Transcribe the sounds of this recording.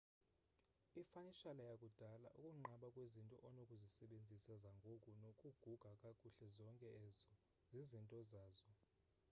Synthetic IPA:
ifaniʃalajakʼud̥ʱala̰ʔukʼuŋ͡ǃaɓakʼwezintʼɔ̰ʔɔnokʼuzisɛɓend͡zʱisazaŋɡʱokʼunokʼuɡ̥ʱuɡ̥ʱakʼakʼuɬɛzɔŋkʼɛɛzɔ | zizintʼɔzaːzɔ

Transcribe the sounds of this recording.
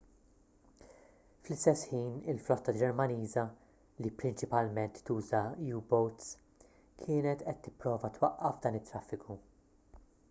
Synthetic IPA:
flɪst̪ɛsħiːnɪlflɔt̪ːɐd͡ʒɛɾmɐniːzɐ | lipɾɪnt͡ʃɪpɐlmɛnt̪ːuːzɐjuːbɔwt̪s | kʰɪːnɛt̪ʔɛt̪ːɪ̥pːɾɔːvɐt̪wɐʔːɐfd̪ɐːnɪt̪ːɾɐfːɪkʰu

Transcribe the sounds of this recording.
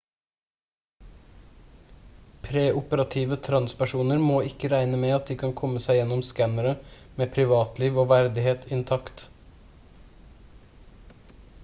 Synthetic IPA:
pʰɾeːʔʊpəɾɑt̪ʰiːʋət̪ʰɾɑnspæʃuːnəɾmoːɪkəɾæɪnəmeːɑt̪̚d̪iːkʰɑŋkʰɔməsæɪjɛnɔmskænəɾə | meːpʰɾɪʋɑːt̪liːʋoːʋæɾd̪ɪheːt̪ʰɪnt̪ʰɑkt̪

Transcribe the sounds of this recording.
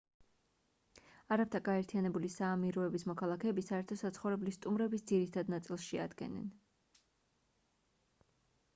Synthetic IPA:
aɾapt̪ʰaɡaɛɾt̪ʰijanɛbulisaːmiɾɔɛbismɔkʰalˠakʰɛːbisaɛɾt̪ʰɔsat̪sʰχɔvɾɛblist̪ʼumɾɛbisd̪ziɾit̪ʰad̪nat̪sʼilˠsʃia̰d̪ɡɛ̰nɛ̰n

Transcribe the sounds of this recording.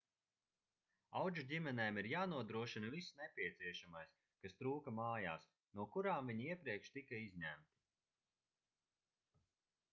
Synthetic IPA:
awd͡ʒudʲimɛnɛːmiɾjaːnuɔd̪ɾuɔʃinɐvisnepʲiɛt̪siɛʃamajs | kast̪ɾuːkɐmaːja̰ːs | nuɔkuɾaːmviɲiiɛpɾiɛkʃt̪ikaizɲæmt̪i̥

